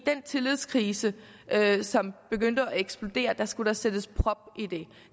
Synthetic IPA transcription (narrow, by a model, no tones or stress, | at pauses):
d̥ent͡sʰe̝lið̞̰ˠskʰʁiːsə | ʔøsɒ̽mb̥e̝ɡ̥øn̰d̥əɒeɡ̥sb̥lo̝d̥e̝̰ːɐd̥ɑ̈sɡ̥uɾ̥ɑsed̥əspʰʁɒ̽b̥id̥e